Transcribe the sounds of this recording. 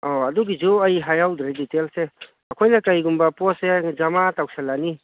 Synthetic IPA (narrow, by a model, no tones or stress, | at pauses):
ɔɐduɡid͡ʒuɐjɦajawtɾeditelse | ɐkʰojnɐkajɡumbɐpɔsed͡ʒɐmatawksʰalani